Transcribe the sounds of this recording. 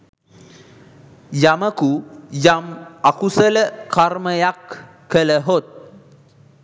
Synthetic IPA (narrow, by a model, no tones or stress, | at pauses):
jaməkujamakusələkaɾməjakː | ələɦot̪̚